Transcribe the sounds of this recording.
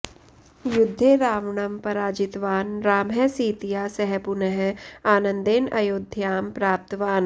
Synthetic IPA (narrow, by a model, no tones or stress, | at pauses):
jʊd̪ʱːeːɾaːʋɳɐmpɐɾaːd͡ʒɪt̪ʋaːnɾaːmɦɛsiːt̪ijaːsɛɦɛpunəɦaːnə̃nd̪eːnɐjoːd̪ʱjaːmpɾaːp̚t̪ʋaːn